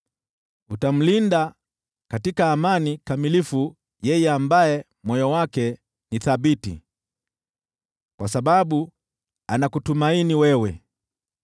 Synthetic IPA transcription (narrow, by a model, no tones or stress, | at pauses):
utam̩linda | katikaːmanikamilifu | jɛjɛambajɛ | mwɔjɔwakɛ | niθabitḭ | kwasaɓaɓu | anakutumainiwɛwɛ